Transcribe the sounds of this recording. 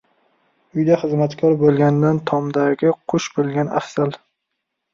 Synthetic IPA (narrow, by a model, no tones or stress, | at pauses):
ʊjd̪aχɨzmat̪kʲʰɒɾbolˠɡʲand̪ant̪ʰɒmd̪aɡʲɪqʰʊʃbolˠɡʲana̰fsal